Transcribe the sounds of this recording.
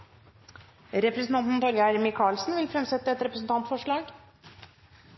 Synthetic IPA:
ɾɛpɾəsn̩t̪ɑnt̪n̩t̪ʰɑljəæɾmɪkʰɑːlsnʋɪlfɾɛmsɛt̪ːəɛt̪ɾɛpɾəsn̩t̪ɑnt̪fɔʂɭɑːɡ

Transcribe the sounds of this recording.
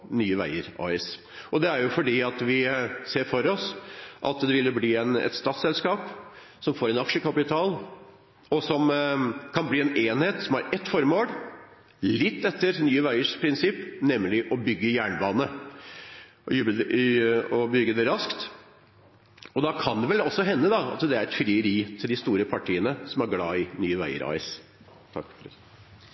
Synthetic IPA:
nyːəʋæ̰ɪəɾɑ̰ːɛs | ɔd̪ɛæɾjʊfɔɖiːɑt̪ʋɪseːɾfɔɾɔsʔɑ̰t̪d̪ɛʋɪlːəbliːɛnɛ̰t̪st̪ɑːt̪sɛlskɑːp | sɔmfoːɾɛnɑkʂəkʰɑpɪt̪ʰɑːl | ɔsɔmkʰɑnbliːɛneːnheːt̪sɔmæɾɛt̪ːfɔɾmoːl | lɪt̪ːɛt̪ːəɾnyːəʋæɪəʂpʰɾɪnsɪpːnɛmːlɪʔɔbʏɡːəjæːɳbɑːnə | jʉbə | ɔbʏɡːəd̪ɛɾɑskt̪ | ɔd̪ɑkʰɑnd̪ɛʋɛlɔsːɔɦɛnːəd̪ɑɑ̰t̪d̪ɛæɾɛt̪fɾɪəɾiːt̪ʰɪld̪ɪst̪uːɾəpʰɑʈʰiːənəsɔmæɾɡlɑːɪnyːəʋæ̰ɪə̰ɾɑ̰ɪs | t̪ʰɑ̰kːfɔɾ

